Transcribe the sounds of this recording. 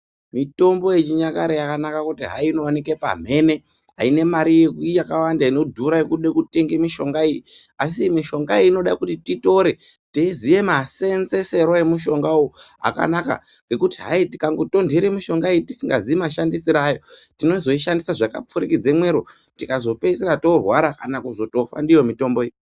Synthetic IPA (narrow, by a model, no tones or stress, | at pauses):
mito̞mbo̞jet͡ʃiɲakaɾejakanakakutiɦa̰iino̞wanikepa̰m̤e̞ne̞ | ɦa̰ine̞maɾijekujakawandaino̞dʱuɾajekuɗekute̞ŋɡemiʃo̞ŋɡaijias̬imiʃo̞ŋɡaiːno̞ɗakutitito̞ɾe̞ | teizije̞mase̞nze̞se̞ɾoemuʃ̬o̞ŋɡaua̰ka̰naka̰ŋɡe̞kutiɦa̰iti̥kaŋɡoto̞ndʱiɾemiʃo̞ŋɡaijiti̥siŋɡazimaʃandisiɾajo̞tino̞zo̞iʃandisaʐaka̰p͡fuɾikid͡zemwe̞ɾu | tikazo̞pe̞seɾato̞rwaɾakanakuzo̞to̞fa̰ndijo̞mito̞mboi